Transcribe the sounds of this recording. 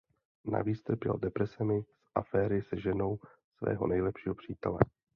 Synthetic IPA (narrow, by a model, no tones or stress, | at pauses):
na̰viːt͡st̪r̩pjɛ̰ldɛpɾɛsɛmɪsʔafɛːɾɪsɛʒɛno̞w | svɛ̰ːɦo̞̰nɛjlɛpʃiːɦopr̝̥iːt̪ɛ̰lɛ